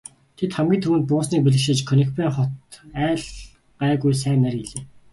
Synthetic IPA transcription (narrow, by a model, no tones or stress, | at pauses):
t̪ʰet̪χæmɡʲiːnʰɵmɘ̆nt̪̚pʊːsniːk̚piɮɘ̆kʃĕːt͡ɕkʰɵnĭkpæːχɔt̪æːɮ | ɢæːɣujs̬æːnːærɡiɮeː